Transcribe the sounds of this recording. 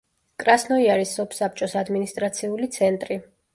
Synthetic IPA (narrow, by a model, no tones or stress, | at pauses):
kʼɾasnɔiaɾisːɔpʰsap̚ʰt͡ʃʼɔsad̪minist̪ʼɾat̪sʰiulit̪sʰɛnt̪ʼɾi